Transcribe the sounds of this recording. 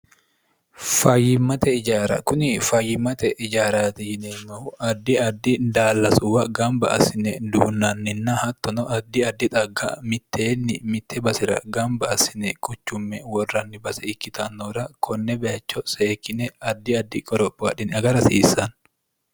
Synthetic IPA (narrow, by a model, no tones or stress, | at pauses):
fɐjːɪmːɐt̪ɛɪd͡ʒaːɾɐ̰kʊnɪfɐjːɪmːɐt̪ɛʔɪd͡ʒaːɾaːt̪ɛjɪneːmɐʊʔɐd̪ːɪɐd̪ːɪnd̪aːlːɐsʊwɐɡɐmbɐɐ̰sɪnɛd̪uːnːɐnːɪnːɐhɐt̪ːɔnɔʔɐd̪ːɪɐd̪ːɪt̪ʼɐɡːɐ̰mɪt̪ːeːnːɪmɪt̪ʰːɛbɐsɪɾɐ̰ɡɐmbɐɐsɪnɛkʰʼʊt͡ʃːʊmːɛwɔrːɐnːɪbɐsɛɪkːɪt̪ʰɐnːɔɾɐkʰɔnːɛbɛɐt͡ʃːɔseːkːɪnɛɐd̪ːɪɐd̪ːɪkʼɔɾɔpʼːaᶑɪnɐɡɐɾɐsiːsɐn